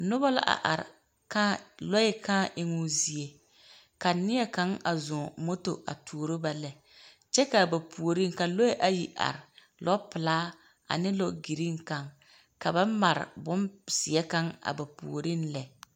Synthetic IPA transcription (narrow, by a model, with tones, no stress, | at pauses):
nʊ˦ba˦la̰˦ʔa̰˨ʔa˨ɾɪ̰˨ | ka˦lo˦ɪ˦kʰaː˦ʔɪ˦ŋʊ˦zi˦e˨ | ka˨nɪ˦jɛ˦ka˦ŋa̰˨zʊ̃˨mo˦to˨ʔa̰˨tʰuː˨o˨ɾo˦ba˦lɛ˨ | t͡ʃɛ˦ka˨ba˨pʰu˨o˨ɾi˦ŋka˨lo˦e˦ʔa˦ji˨ʔa̰˨ɾɪ˨ | lɔ˦pɪ˨laː˦ | a̰˨nɪ˦lo˦ɡi˨ɾi˦ŋ˦ka˨ŋ | ka˨ba˦ma˨ɾɪ̰˨bʊ˦nsɪ˨ɛ˦ka˦ŋa̰˨ba˨pṵ˨o˨ɾi˦nlɛ˨